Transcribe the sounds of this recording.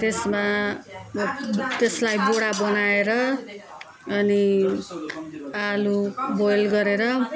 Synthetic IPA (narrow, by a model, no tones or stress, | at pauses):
t̪esma | t̪eslajboɽabʌnaeɾʌ | ʌni | alubojlɡʌɾeɾʌ